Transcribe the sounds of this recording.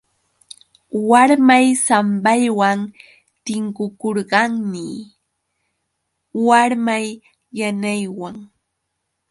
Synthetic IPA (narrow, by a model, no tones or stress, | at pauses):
waɾmajsambajwan | t̪ɪŋkʊkoɾɢɑŋnɪ | waɾmajː | anajwaŋ